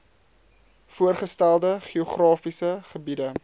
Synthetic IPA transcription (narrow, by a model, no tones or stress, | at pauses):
fuərχəstælˠdəχioχrɑːfisəχəbidə